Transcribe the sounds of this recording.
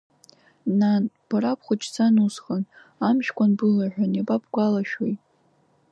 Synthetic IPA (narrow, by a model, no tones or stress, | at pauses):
nab̥arapʰχʷʊt͡ʃʰʼt͡sʰanusχan | amʃkʷʰʼanbɨlaʕᶣʷanebʼapʰʼɡʷalaʃᶣojtʼ